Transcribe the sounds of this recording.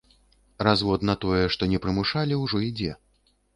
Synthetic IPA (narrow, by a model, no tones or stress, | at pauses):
razvɔd̪nɐt̪ɔjɛʂt̪ɔnʲɛpɾɨmuʂalʲiwʐɔid͡zʲɛ